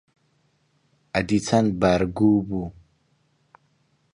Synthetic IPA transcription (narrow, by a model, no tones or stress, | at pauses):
adit͡sanbaɾɡubu